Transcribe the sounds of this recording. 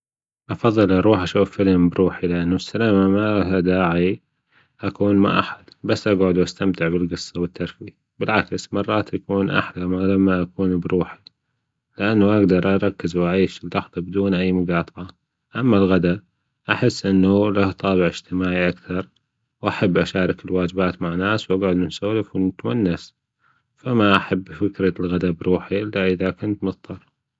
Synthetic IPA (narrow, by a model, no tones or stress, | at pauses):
ʔɑfɑðˤːɨlʔɑɾˤuːħʔaʃuːfːɪlmbɾuːħilɪʔanːusːalaːmamahad̪aːʕi | ʔakuːnma̰ʔa̰ħḁd̪basːʔaɡʕʊd̪wʔast̪amt̪ɪʕbɪlɡɨsˤːɑwɪt̪ːɑɾˤfi | bɪlʕaksmɑrˤːɑːt̪ʔakuːnʔa̰ħlamalamːaʔakuːnbɾuːħi̥ | lɪʔanːaʔaɡd̪ɑɾˤʔɑɾˤɑkːɪzwʔaʕiːʃɪlːɑħðˤɑbɪd̪uːnʔajːmʊɡɑːt̪ˤʕɑ | ʔamːalɣad̪a | ʔaħɪsːʔɪnːulaht̪ˤɑːβɪʕɪd͡ʒ̥t̪ɪmaːʕiʔakθɑɾˤ | wʔaħabːʔaʃaːɾˤɑkɪlwaːd͡ʒɪbaːt̪maʕnːaːswʔaɡʕʊd̪nɪnsaːlɪfwnɪt̪wanːas | famaʔaħabːfɪkɾalɣad̪abɾuːħiʔɪlːaʔɪðakʊnt̪mɨðt̪ˤːɑɾˤ